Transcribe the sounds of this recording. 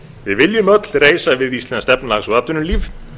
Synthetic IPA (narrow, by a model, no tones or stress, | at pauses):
vɪðvɪljʏmœt̪l̥reːjsavɪðist̪lɛnst̪ɛpnlaxsuðap̪̚ʏnʏliːv